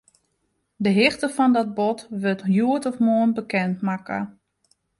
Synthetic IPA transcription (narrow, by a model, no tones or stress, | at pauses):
dəɦɪxtəfɔndɔt̚bɔtʋøtjuətɔfmoənbəkɛntmakə̰